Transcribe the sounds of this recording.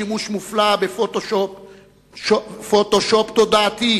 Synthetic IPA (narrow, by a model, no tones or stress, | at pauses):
imuʃmuflabefot̪oʃop | ofot̪oʃopt̪od̪aat̪i